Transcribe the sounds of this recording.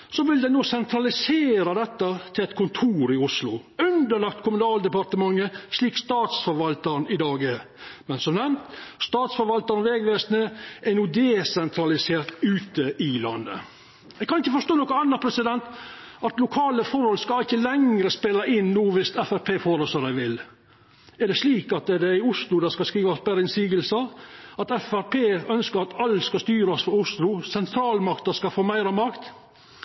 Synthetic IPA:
sɔʋɪld̪ɛnoːsɛnt̪ʰɾɑlɪseːɾɑd̪ɛt̪ːət̪ʰɪlɛt̪kʰʊnt̪ʰuːɾɪʊslʊʉnd̪əɭɑkt̪kʰʊmʉnɑːld̪əpɑɾt̪əmɑŋːəʂɭiːkst̪ɑːt̪sfɔɾʋɑlt̪əɾnɪd̪ɑːɡə | mɛnsɔmnɛmt̪st̪ɑːt̪sfɔɾʋɑlt̪əɾnʋɛːɡʋeːsnəʔɛnuːd̪ɛsɛnt̪ʰɾɑlɪseːɾt̪ʉːt̪əʔɪlɑnd̪ə̰ | ɛɡkʰɑnɪçəfɔʂt̪oːnɔkəɑnːəpʰɾɛsɪd̪ɛnt̪ɑt̪lʊkʰɑːləfɔɾhɔlskɑɪçəlɛŋɾəspeːlɑʔɪnːuːʋɪst̪ɛfæɾpʰeːfɔɾəsɔɾæɪʋɪl | ɛɖɛʂliːkɑt̪̚d̪ɛd̪ɛɪʊslʊd̪ɑskɑskɾiːʋɑsbæːɾəɪnsiːɡəlsəɑt̪ɛfæɾpʰeːœnskəɾɑt̪ɑlːskɑst̪yːɾɑsfɔɾʊslʊsɛnt̪ʰɾɑːlmɑkt̪əskɑfoːmæɪɾɑmɑkt̪

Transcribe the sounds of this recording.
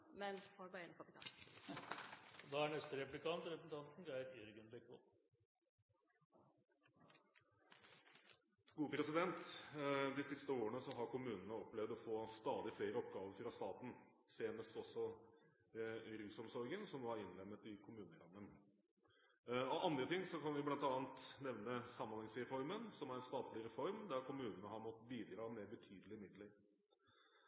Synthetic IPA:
mɛnhɔbɑɛnkʰɑpɪt̪ʰɑ̰ːn | d̪ɑæɳɛst̪əɾɛplɪkɑnt̪ɾɛpɾəsn̩t̪ʰɑnt̪n̩ɡɾæɪɾɪɾɡənbɛkʋɔ̰l | ɡ̥uːpʰɾɛsɪd̪ɛnt̪ | d̪ɪsɪst̪əoːɾəɳəsɔɦɑɾkʊmʉːnnəɔplɛʋd̪ɔfoːst̪ɑːd̪ɪfleːɾəɔpɡɑːʋəɾfɾɑst̪ɑːt̪n̩ | seːnəst̪ɔsːɔ | ɾʉːsɔmsɔɾɡənsɔmʋɑɾɪnlɛmːət̪ɪkʰʊmʉːnəɾɑmːən | ɔʔɑnd̪ɾət̪ʰɪŋːsɔkʰɑnʋɪblɑnt̪ɑːnt̪nɛʋnəsɑmːɑnhɑŋsɾɛfɔɾmənsɔmæɾɛnst̪ɑːt̪lɪɾɛfɔɾmd̪æɾkʰʊmʉːnənəɦɑɾmɔt̪ːbiːd̪ɾɑːmeɾbət̪ʰyːd̪əlɪmɪd̪ləɾ

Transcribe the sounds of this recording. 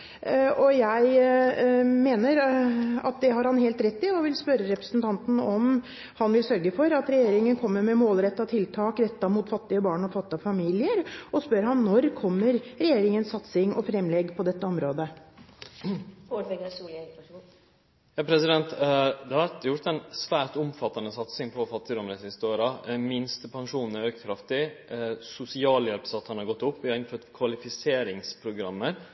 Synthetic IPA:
ɔjæɪ | meːnəɾɑ̰t̪̚d̪ɛɦɑɾhɑnɦeːlt̪ɾɛt̪ːɪɔʋɪlspœɾəɾɛpɾə̥sənt̪ʰɑnt̪n̩ɔm | hɑnʋɪlsœɾɡəfɔɾɑt̪ɾɛjeːɾɪŋənkʰɔmːəɾmɛmoːlɾɛt̪ːɑt̪ʰɪlt̪ʰɑːkɾɛt̪ːɑmʊt̪fɑt̪ːɪəbɑːɳɔfɑt̪ːɪɑʋfɑmiːlɪəɾɔspœɾhɑnːɔɾkʰɔmːəɾɾɛjeːɾɪŋənsːɑt̪sɪŋɔ̰fɾɛmlɛɡpʰɔd̪ɛt̪ːəɔmɾoːd̪ə | oɖʋɛɡsul | jɑːpʰɾɛsɪd̪ɛnt̪d̪ɛhɑɾjʊɾt̪ɛɪnsʋæːɾʈ̪ʊmfɑt̪ːɑnəsɑt̪sɪŋpʰɔfɑt̪ːɪd̪ɔmɾəsɪst̪əoːɾɑmɪnst̪pʰɑŋʂuːnɛɾøːkkʰɾɑft̪ɪsʊsɪɑːljɛlpsɑt̪ːhɑnhɑɾɡɔt̪ːʊpːʋɪhɑɾɪnføːʈ̪kʰʋɑlɪfɪseːɾɪŋspʰɾʊɡɾɑmːəɾ

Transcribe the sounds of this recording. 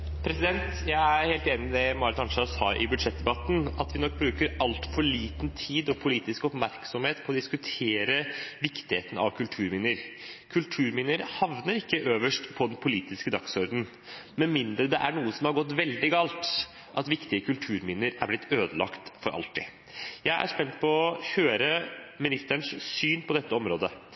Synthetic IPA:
pʰɾɛsɪd̪ɛnt̪jæɪæɾheːlt̪eːnɪmɛmɑːɾət̪ɑnʂɑshɑːɾʔɪ̰bʉd̪ʂɛt̪̚d̪ɛbɑt̪n̩ɑt̪ʋɪnɔk̚ːbɾʉːkəɾɑlt̪fɔɭiːt̪nt̪ʰiːd̪ɔpʰʊliːt̪ɪskɔpmæɾksɔmheːt̪pʰɔːd̪ɪskʉt̪ʰeːɾəʋɪkt̪ɪheːt̪n̩ɑ̰ʋkʰʉlt̪ʰʉːɾmɪnɪəɾkʰʉlt̪ʰʉːɾmɪnəɾhɑʋnəɾɪkːəʔøːʋəʂʈpʰɔd̪ɛnpʰʊliːt̪ɪskəd̪ɑksɔɾd̪n̩ | mɛnmɪnd̪ɾəd̪ɛʔæɳuːəsɔmhɑɾɡɔt̪ːʋɛld̪ɪɡɑːlt̪ | ʔɑt̪ʋɪkt̪ɪəkʰʉlt̪ʰʉːɾmɪnəɾæɾblɪt̪ʰːøːd̪əlɑ̰kt̪fɔɾʔɑ̰lt̪ɪ | jæɪʔæ̰ʂpɛnt̪pʰɔɔçøːɾəmɪnɪst̪əɳʂsyːnpʰɔd̪ɛt̪ːəɔmɾoːd̪ə

